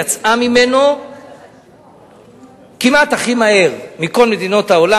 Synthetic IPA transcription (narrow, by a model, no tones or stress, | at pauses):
at͡samime̞no̞ | kimat̪aχimahe̞ʁmiko̞lme̞d̪ino̞t̪haola